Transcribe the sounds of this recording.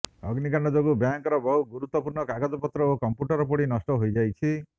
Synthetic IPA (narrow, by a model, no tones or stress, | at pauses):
ɔɡnikaɳɖɔd͡ʒoɡubjaŋkɔɾɔbɔɦuɡuɾut̪ːɔpuɾɳɔkaɡad͡ʒɔpɔt̪ɾɔokɔmpuʈɔɾɔpɔɽinɔsʈɔɦojd͡ʒajt͡ʃʰi